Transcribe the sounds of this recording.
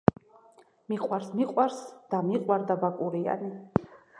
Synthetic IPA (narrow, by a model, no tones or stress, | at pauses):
miqʼwaɾsmiqʼwaɾsd̪̥amiqʼwaɾd̪abakʼuɾia̰ni